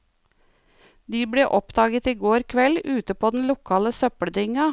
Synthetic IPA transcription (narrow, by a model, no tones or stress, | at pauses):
d̪iːbɽeːʔɔpd̪ɑːɡət̪iːɡoːɾkʰʋɛlʉːt̪əpʰoːd̪n̩lʊkʰɑːləsœpəɽd̪ɪŋɑ